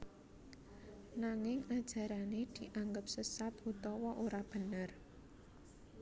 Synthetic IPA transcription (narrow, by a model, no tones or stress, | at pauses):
naŋɪŋad̥ʒ̥a̤ɾaned̪̥i̤ʔaŋɡəp̚səsat̪̚ut̪ɔwɔʔoɾab̥ə̤nər